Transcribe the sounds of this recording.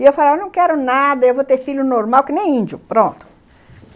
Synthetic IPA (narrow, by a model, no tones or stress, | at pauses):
ɪewfaleajewnɐ̃w̃kɛɾʊnad̪ɐewvowt̪eɾfiʎjʊnoɾmawkɪnẽj̃ĩnd͡ʒʊpɾõnt̪ʊ̥